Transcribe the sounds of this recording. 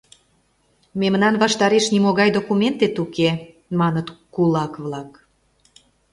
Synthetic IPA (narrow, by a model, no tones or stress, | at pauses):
memnɑnβɑʃt̪ɑɾeʃnimoɣɑjd̪okument̪et̪uke | mɑnət̪kulɑkβlɑk